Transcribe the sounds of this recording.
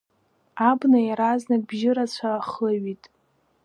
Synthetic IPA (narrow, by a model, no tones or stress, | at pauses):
abnajaɾaznakʼbʒɪɾat͡ɕʷʰaχaɥitʼ